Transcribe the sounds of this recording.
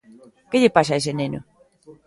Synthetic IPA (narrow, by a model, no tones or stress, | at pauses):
keʎepas̬aesenenʊ̰